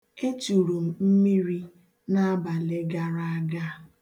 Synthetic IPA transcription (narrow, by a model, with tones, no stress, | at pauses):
e˦t͡ʃu˨ɾu˨m̩˨m̩˦mi˦ɾi˦ | na˦a˦ba˨le˦ɡa˦ɾa˦a˦ɡa˦˨